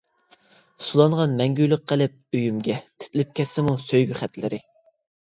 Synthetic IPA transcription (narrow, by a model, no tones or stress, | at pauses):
sulˠɑɴʁɑnmɛŋɡʲyjlɪq̚qʰːəlɪp̚øjymɡʲɛt̪ʰɪ̥t̪lɪp̚kʲɛsːɪmusøjɡʲyχæt̪lɪ̰ɾɪ